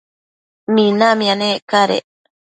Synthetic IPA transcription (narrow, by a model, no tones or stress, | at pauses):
minamĩaneːkaɾḛ